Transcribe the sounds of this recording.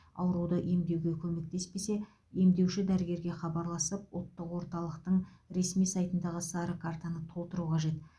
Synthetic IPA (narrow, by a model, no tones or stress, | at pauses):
ɑ̰wɾud̪əʔe̞md̪e̞wɡʲe̞kʲʰɵme̞k̚t̪e̞spe̞se̞ | e̞md̪e̞wʃɪd̪æɾɪɡʲe̞ɾɡʲe̞χɑbɑɾlˠɑsəp̚wot̪ːəqwo̞ɾt̪ɑlˠəqt̪əɴɾe̞smijsɑjt̪ənd̪ɑʁəsɑɾəkʰaɾt̪anət̪ʰo̞lˠt̪əɾuqʰɑʒe̞t̪